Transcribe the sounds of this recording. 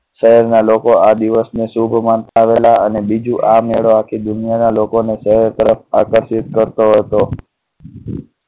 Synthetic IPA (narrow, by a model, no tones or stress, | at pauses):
ʃəɦɛɾnalokoad̪iʋəsnesubʱmant̪aːʋelaənebid͡ʒuʔameɭoakʰid̪ʊnijanalokoneʃəɦɛɾt̪əɾəfakəɾʃɪt̪kəɾt̪oɦət̪o